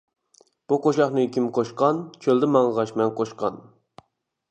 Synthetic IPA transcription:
b̥uqʰoʃɑχnɨkʲʰimqʰoʃqɑnt͡ʃʰøld̪ɪmɑŋʁɑʃmɛnqʰoʃqɑ̰n

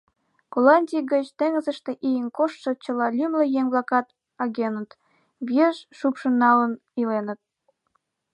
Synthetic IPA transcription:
kolɑnʲdʲijɡət͡ɕt̪eŋəzəʃt̪eʔijənkoʃʃə̆t͡ɕəlɑlʲymlə̆jeŋβlɑkɑt̪ | ɑɣenət̪ | βeʃʃupʃənːɑlən | ilenət̪̚

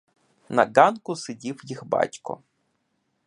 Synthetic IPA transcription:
nɐ̰ɡɑnkʊsɪdʲiwjixbɑ̰tʲkɔ̰

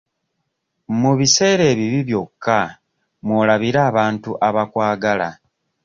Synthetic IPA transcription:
muβise̞ːɾe̞ːβiβiβjo̞kʰːa | mwolaβiɾaːβaːntuʔaβakwaːɡala

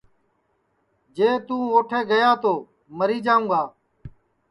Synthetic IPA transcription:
d͡ʒeːt̪ũːoːʈʰeːɡəjaːt̪oː | məɾiːd͡ʒãːũːɡaː

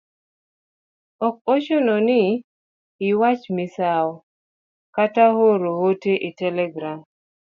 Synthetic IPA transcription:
ɔk̚oʃonɔnɪ | ɪwat͡ʃmɪsaɔ | katahoɾohoteʔitɛlɛɡɾam

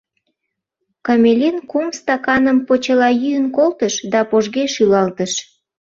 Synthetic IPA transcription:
kɑmʲelʲinkumst̪ɑkɑnəmpot͡ɕəlɑjyjənkolt̪əʃd̪ɑpoʒɣeʃylɑlt̪əʃ

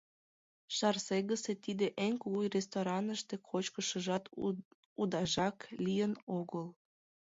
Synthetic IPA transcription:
ʃɑrseɣəset̪id̪eʔeŋkuɣujrest̪oɾɑnəʃt̪ekʰot͡ɕkəʃəʒɑt̪ | ud̪ɑʒɑklijənoɣəl

